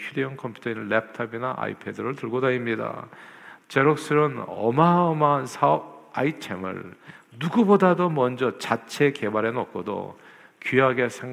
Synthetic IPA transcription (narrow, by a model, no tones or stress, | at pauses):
çudeʌŋkʰʌmpʰu̥tʰʌinnlep̚ʰtʰʌbinaʔa̰ḭpʰe̞dɯɾɯɭtɯɭɡodaimɲida̰ | t͡ɕeɾok̚s͈ɯɾɯnʌ̰maʌmaɦansʰaʌb̚ait͡ɕʰḛmɯ̰ɭnuɡubodadomʌnd͡ʑʌt͡ɕat͡ɕʰe̞ke̞baɾe̞nʌk̚k͈ʰodo̰ | kiaɡe̞sʰeŋ